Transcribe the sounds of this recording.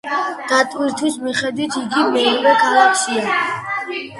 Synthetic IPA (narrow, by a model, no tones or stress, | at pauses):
d̪̥at̪ʼwiɾt̪ʰwismiχɛd̪wit̪ʰiɡimɛiʁɔkʰalˠakʰʃia